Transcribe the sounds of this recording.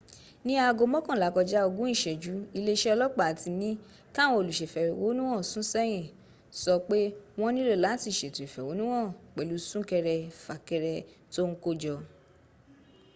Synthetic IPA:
nĩ˦a˧ɡo˧mɔ̃˦kã˨la˨˦kɔ˧d͡ʒa˦o˧ɡũ˦ĩ˦˨ʃɛ˨d͡ʒu˨˦i˧le˦˧˦ʃɛ˦ɔ˧lɔ˦k͡pa˦˨ti˧nĩ˦ | ka˦˨w̃ɔ̃˧˦o˧lu˨ʃe˨fɛ˨wo˨˦nũ˦w̃ɔ̃˦˨sũ˨˦sɛ˦j̃ĩ˦˨ | sɔ˧k͡pe˦w̃ɔ̃˦nĩ˦le˦˨la˨˦ti˦˨ʃe˨te˨fɛ˨wo˨˦nũ˦w̃ɔ̃˦˨k͡pɛ˨lu˨˧˦sũ˦kɛ˧ɾɛ˧fa˨kɛ˧ɾɛ˧to˦ŋ̩˦ko˦d͡ʒɔ˧

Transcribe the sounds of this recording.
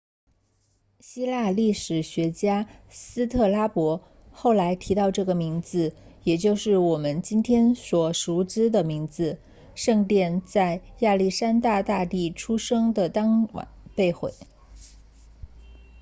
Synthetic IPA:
ɕi˥la˥˧li˥˩ʂɻ̩˨˩ɕɥɛ˧˥t͡ɕja˥sɹ̩˥t̪ʰɤ˥˩la˥pwɔ˧˥ | xo˥˩ʊla˧˥ɪt̪ʰi˧˥t̪ɑ˥˧ʊʈ͡ʂɤ˥˩ɡə˩mi˧˥ŋd͡zɹ̩˧ | jɛ˨˩t͡ɕjo˥˧ʊʂɻ̩˥˩wɔ˨˩mə˦nt͡ɕi˥nt̪ʰjɛ˥nswɔ˨˩ʂu˧˥ʈ͡ʂɻ̩˥d̪ə˨mi˧˥ŋd͡zɹ̩˧ | ʂɤ˥˧ŋt̪jɛ˥˧nt͡sa˥˧ɪja˥˧li˥˩ʂa˥nt̪a˥˧t̪a˥˧t̪i˥˩ʈ͡ʂʰu˥ʂɤ˥ŋd̪ə˨t̪ɑ˥ŋw̰npe˥˧ɪxwḛ˥˩ɪ

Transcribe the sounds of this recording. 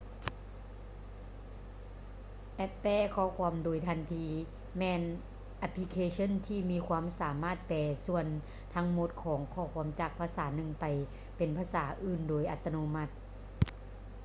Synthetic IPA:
ʔɛ˧pːɛː˧˥˩kʰɔː˧˩˨kʰu˧˨mdoː˨˩jt̪ʰa˧˩nt̪ʰiː˧˥ | mɛː˧n | ʔa˧pʰli˧kʰeː˧sʰɤ˧˥˨nt̪ʰiː˧˩miː˧˥˨kʰwaː˧˥˨msaː˨˦maː˥˩t̪̚pɛː˧˩su˧˩ən | t̪ʰa˧˥ŋmo˧˦t̪̚kʰɔː˩˦ŋkʰɔː˧˩˨kʰu˧əmt͡ɕaː˨˩k̚pʰaː˧˥saː˨˩˦nɯ˧˩ŋpa˨˩j | pe˨˩npʰaː˧˥saː˩˦ʔɯː˧˩ndoː˨˩jʔa˧˦t̪ʰːa˧no˧˦ma˧˥˩t̪̚

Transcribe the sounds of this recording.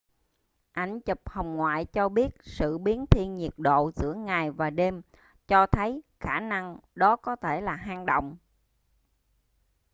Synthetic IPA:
ʔa˧˩jŋ̟t͡ɕɨ˨˩p̚hə˨˩wŋ͡mŋwa̰ː˧˨jt͡ɕɔ˧ɓi˦˥ət̚sɨ̰˧˨ɓi˨˦ənt̪ʰi˧ənɲi˨˩ət̚ɗo̰˧˨zɨ̰˧˥əŋaː˨˩jvaː˨˩ɗe˧m | t͡ɕɔ˧t̪ʰə˨˦jxaː˧˩na˧ŋɗɔ˨˦kɔ˨˦t̪ʰe˧˩laː˨˩ɦaː˧ŋɗo̰˧˨wŋ͡m

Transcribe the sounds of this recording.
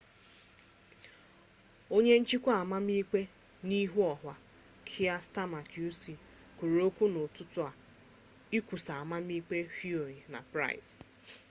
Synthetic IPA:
o˦ɲe˦n̩˦t͡ʃi˦kʷa˨ma˦m˦i˦k͡pe˦ | ni˦ɦu˦ɔ˨ɦwa˨ | kʰi˦a˦sta˦ma˨kju˦si˨ | ku˨ɾu˨o˦kʷu˦no˨tʊ˦tʊ˦a˨ | i˦kʷu˨sa˨a˨ma˦m˦i˦k͡pe˦hi˦o˨ɾi˨na̰˨pɾa̰˦ɪ̰˨s

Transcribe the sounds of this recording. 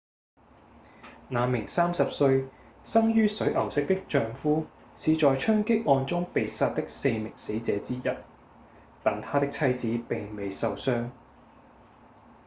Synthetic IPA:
naː˨˧mɪ˨˩ŋsaː˥msɐ˨p̚sɵ˧ɥ | sɐ˥ŋjyː˥sɵ˨˥ɥʔɐ˨˩wsɪ˥k̚t̪ɪ˥k̚t͡ʃœː˧ŋfuː˥ | siː˨˧t͡ʃɔː˨jt͡ʃʰœː˥ŋkɪ˥k̚ʔɔː˧nt͡sʊ˥ŋpe˨jsaː˧t̚t̪ɪ˥k̚se˧jmɪ˨˩ŋse˨˥jt͡sɛː˨˥t͡siː˥jɐ˨t̚ | t̪ɐ˨nt̪ʰaː˥t̪ɪ˥k̚t͡sʰɐ˥jt͡siː˨˥pɪ˨ŋme˨jsɐ˨wsœː˥ŋ

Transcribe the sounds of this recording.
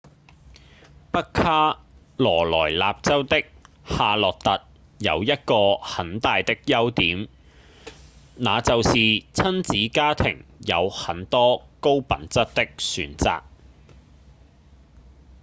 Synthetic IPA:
pɐ˥kʰːaː˥ | lɔː˨˩lɔ̰ː˨˩jla̰ː˧p̚t͡sɐ˥wt̪ɪ˥k̚ | haː˧lɔː˨˩k̚t̪ɐ˨t̚ | jɐ̰˨˧wjɐ˥t̚kɔː˧hɐ˨˥nt̪aː˨jt̪ɪ˥k̚jɐ˥wt̪iː˨˥m | naː˨˧t͡sɐ˨wsiː˨t͡sʰɐ˥nt͡siː˨˥kaː˥t̪ʰɪ̰˨˩ŋjɐ˨˧whɐ˨˥nt̪ɔː˥ko˥wpɐ̰˨nt͡sɐ˥t̚t̪ːɪ˥k̚syː˨˧˥nt͡sa̰ː˨k̚

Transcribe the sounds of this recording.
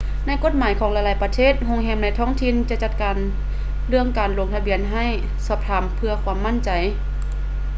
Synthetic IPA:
na˧˥˨jko˧˥t̪̚maː˨˦jkʰɔː˨˦ŋla˧jlaː˨˩˦jpa˧t̪ʰeː˥˩t̪̚ɦo˧ŋɦɛː˧˥mna˧˩jt̪ʰɔː˧˥˨ŋt̪ʰi˧˨nt͡ɕa˧t͡ɕa˧t̪̚kaː˨˩n | lɯ˥˧əŋkaː˨˩nlo˧˩˦ŋt̪ʰa˧bi˧˨ənɦa˧˥˩j | sɔː˧˩p̚t̪ʰaː˧˩mpʰɯ˧ɐkʰwaː˧˥mːa˧˥˨nt͡ɕa˨˩j

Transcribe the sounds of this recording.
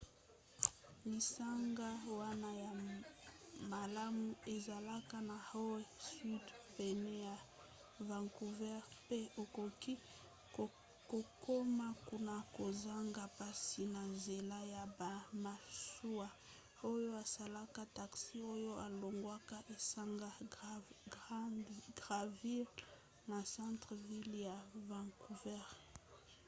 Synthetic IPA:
li˨sa˦ŋɡa˦wa˦na˦ja˨ | ma˨la˦mu˦e˨za˨la˦ka˦na˨ho˦wɛ˦sy˦dbe˨nɛ˦a˨ | va˨ŋku˨vɛ˦ʁpe˦o˨ko˨ki˦ | ko˨kʰo˦ma˦ku˦na˨ko˨za˦ŋɡa˨pa˦si˨na˨nze˨la˦ja˨ba˨ma˨su˦a˨ | o˦jo˦a˨sa˨la˦ka˦ta˨ksi˦o˦jo˦ʔa˨lo˨ŋɡwa˦ka˦ʔe˨sa˦ŋɡa˦ | ɡdɡʁa˨vi˦l | na˨sã˦ntʁə˨vi˦lja˨va˨ŋku˨vɛ˦ʁ

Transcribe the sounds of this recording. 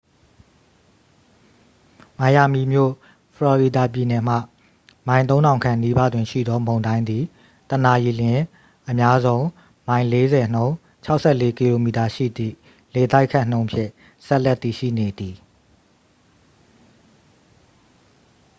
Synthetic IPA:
mã˨ja˨mi˨mjo̰˦˨ | pʰəlɔ˨ɹi˨da˨p̬ji˨nɛ˨m̥a̰˦˨ | mã˨ɪ̃t̪̬õ˦ʊ̃ndã˨ʊ̃ŋkʰã˨ni˦ba̰˦˨dwɪ̃˨ʃḭ˦˨d̪ɔ˦mõ˨ndã˦ɪ̃nd̪i˨ | t̪ə˨na˨ji˨lɪ̃˨ | ʔəmja˦zõ˦ʊ̃ | mã˨ɪ̃le˦zɛ˨n̥õ˦ʊ̃ | t͡ɕʰa˦ʊʔsɛ˦˨le˦ki˨lo˨mi˨ta˨ʃḭ˦˨d̪ḭ˦˨ | le˨t̪a˦ɪkʰːã˦˨n̥õ˦ʊ̃mpʰjɪ̰̃˦˨ | sɛ˦ʔlɛ˦t̪ːi˨ʃḭ˦˨ne˨d̪i˨

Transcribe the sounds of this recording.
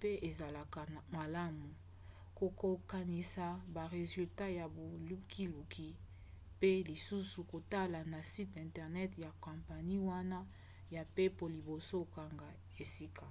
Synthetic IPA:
pe˦ʔe˨za˨la˨ka˨ma˨la˦mu˨ | ko˨ko˨ka˨ni˨sa˨ba˨ʁe˨zy˨lta˦ja˨bo˨lu˦kʰi˦lu˨kʰi˦ | pe˦li˨su˦su˨ko˨ta˦la˨na˨si˦tɛ̃˨ntɛ˨ʁnɛ˦tja˨kɔ̃˨mpa˨ni˦wa˦na˦ | ja˨pe˦po˨li˨bo˨so˦ka˨ŋɡa˨ | e˨si˦ka˨

